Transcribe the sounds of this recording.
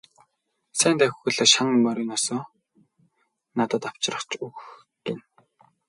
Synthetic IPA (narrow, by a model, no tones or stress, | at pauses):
sæːnt̪ʰæxʲxɵ̆ɮɔːʃaŋpɔɾiːŋɔsɔː | nat̪ə̆t̪aw̥t͡ɕrə̆χt͡ɕuɣx | ten